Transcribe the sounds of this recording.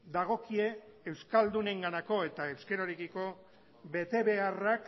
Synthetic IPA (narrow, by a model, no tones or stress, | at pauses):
d̪aɣ̞o̞kie̞ːwskald̪une̞ŋɡanako̞e̞t̪ae̞wske̞ɾoɾikiko̞ | βe̞t̪e̞βe̞arak